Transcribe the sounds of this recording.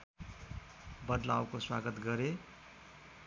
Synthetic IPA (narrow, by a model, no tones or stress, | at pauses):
bʌd̪la̰wkoswaɡʌt̪ɡʌɾe